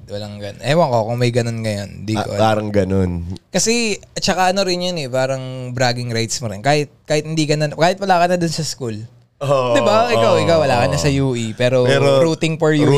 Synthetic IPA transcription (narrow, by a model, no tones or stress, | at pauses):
wɐlɐŋɡɐnɐjwɐŋkokoŋmɐjɡɐno̞nŋɐjond̪iːkopaːɾɐŋɡɐnonkɐsɛt͡ʃɐkaʔɐno̞ɾɪnjonɛpaːɾɐŋbɾaːɡɪŋɾajt̪smʊɾɪnkaːhɪt̪̚kaːhɪt̪hɪnd̪iːkɐnɐnkaːhɪt̪wɐlaːkɐnːɐd̪ʊnsɐskul | od̪ɪbaʔɪkawɪkawːɐlaːkɐnːɐsɐjuːʔipɛːɾopɛɾoɾuːt̪ɪŋpoɹju